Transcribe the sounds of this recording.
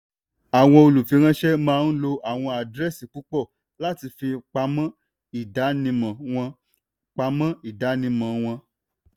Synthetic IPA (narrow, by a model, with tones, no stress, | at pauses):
a˨w̃ɔ̃˧o˧lu˨fi˨˦ɾ̃ã˧˦ʃɛ˦mãː˦˧n̩˦lo˧ʔa˨w̃ɔ̃˧a˨dɾɛ˦si˨k͡pu˨˦k͡pɔ˦˨ | la˦ti˧fi˧k͡pa˧mã˦ | i˦˨da˨˦nĩ˧mã˨wɔ̃˧ | k͡pa˧˦mã˦i˦˨da˨˦nĩ˧mã˨w̃ɔ̃˧